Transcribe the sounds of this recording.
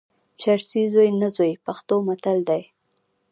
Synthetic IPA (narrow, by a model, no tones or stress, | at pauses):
t͡ʃaɾsizojnazojpaxt̪omat̪ald̪aj